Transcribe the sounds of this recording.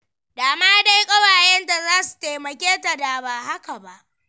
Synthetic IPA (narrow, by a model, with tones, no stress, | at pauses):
daː˨maː˦da˦jkʼɐ˦waː˨jɛ˦nda˨zaː˦su̥˨teː˨mɐ˨kʲeː˦ta˨da˨baː˨ɦa˦ka˨ba˨ʔ